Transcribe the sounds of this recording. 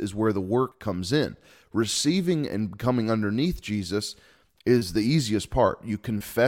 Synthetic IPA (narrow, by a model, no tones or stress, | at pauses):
ɨzwə˞ðəwɜ˞kʰʌ̃mzɪ̃n | ɹɨsivɪ̃ŋɨ̰̃nkʰʌmɪ̃ŋʌ̃ndə˞niθd̥ʒ̥izɨs | ɪzðiiziɨspʰɑ̰ɹʔɨkʰɨ̃nfɛ